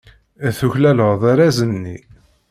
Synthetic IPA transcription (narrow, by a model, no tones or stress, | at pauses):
θuçlæləʁðˤaɾæzənːi